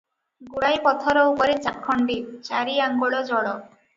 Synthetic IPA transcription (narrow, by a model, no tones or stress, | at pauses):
ɡuɽajpɔt̪ʰɔɾɔupɔɾet͡ʃakʰːɔɳɖit͡ʃaɾiaŋɡɔɭɔd͡ʒɔɭɔ